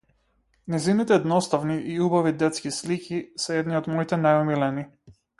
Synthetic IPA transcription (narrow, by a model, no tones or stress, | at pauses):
nɛjzinit̪ɛːd̪nɔst̪avniʔiubavid̪ɛt̪skislikʰʲisɛɛd̪niɔd̪mɔit̪ɛnajɔmilɛni